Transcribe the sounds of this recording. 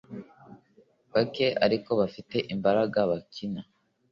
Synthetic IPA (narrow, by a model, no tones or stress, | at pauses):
βake̞ʔa̰ɾiko̞βafite̞ʔimbaɾaɡaβakina